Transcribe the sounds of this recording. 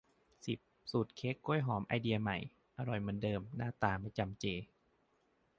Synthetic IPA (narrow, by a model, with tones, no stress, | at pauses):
si˨˩p̚suː˨˩t̪̚kʰe˦˥kːu˧˥˩jɦɔː˩˦mʔa̰˧jdi˧ɐ˧ma˨˩j | ʔa˧ɾɔ˨˩jma˧˥˦ndɤː˧mnaː˥˩t̪aː˧˩ma˧˩jt͡ɕa˧mt͡ɕeː˧